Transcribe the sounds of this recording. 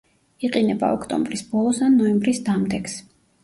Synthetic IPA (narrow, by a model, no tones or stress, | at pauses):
iqʼinɛba̰ɔkʰt̪ʼɔ̰mbɾisb̥ɔlˠɔsanːɔɛmbɾisd̪amd̪ɛks